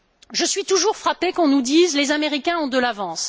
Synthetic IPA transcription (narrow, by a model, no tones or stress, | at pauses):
ʒəsɥit̪uʒuʁfχapekɔ̃nud̪izlezameʁikʲɛ̃ɔ̃d̪əlavɑ̃s